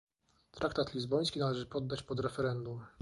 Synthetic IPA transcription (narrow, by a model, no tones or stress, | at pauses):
t̪ɾʔakt̪at̪lʲizbɔj̃skʲinalɛʐɘpɔd̪ːat͡ɕpɔd̪ɾɛfɛɾɛnd̪um